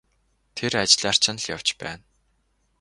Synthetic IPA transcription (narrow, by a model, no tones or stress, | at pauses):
t̪ʰerat͡ɕɪ̆ɮar̥t͡ɕɪ̆nɮjaw̥t͡ɕpæ̰ːn